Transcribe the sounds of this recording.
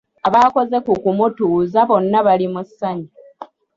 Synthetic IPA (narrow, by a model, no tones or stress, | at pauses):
aβako̞ze̞kukumutuːzaβo̞nːaβalimusːaɲi